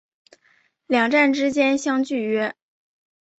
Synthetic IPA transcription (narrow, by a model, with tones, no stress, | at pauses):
ljɑ˨˩ŋʈ͡ʂa˥˩nʈ͡ʂɻ̩˥t͡ɕjɛ˥nɕjɑ˥ŋt͡ɕy˥˩ɥɛ˥